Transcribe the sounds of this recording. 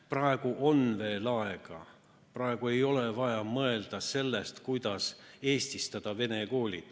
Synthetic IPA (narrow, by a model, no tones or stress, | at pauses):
prɑe̞ɡ̥uʔo̞nve̞ːlɑe̞ɡ̥ɑ̰ | prɑe̞ɡ̥ue̞jo̞levɑjɑmɤe̞ld̪̥ɑse̞lːest̪kujd̪̥ɑse̞ːsʲt̪ist̪ɑd̪̥ɑve̞ne̞ko̞ːlʲid̪̥